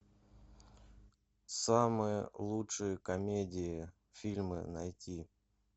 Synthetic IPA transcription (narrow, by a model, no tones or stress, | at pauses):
samɨjə̰lˠutʂɨjəkɐmʲedʲɪɪ | fʲilʲmɨ̰nɐjtʲi